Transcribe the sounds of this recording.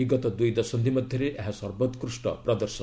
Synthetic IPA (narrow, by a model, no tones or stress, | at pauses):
iɡɔt̪ɔd̪ujd̪ɔsɔnd̪ʱimɔd̪ʱjʌɾeʔeɦasɔɾbɔt̪kɾusʈɔ̰pɾɔd̪ɔɾsɔ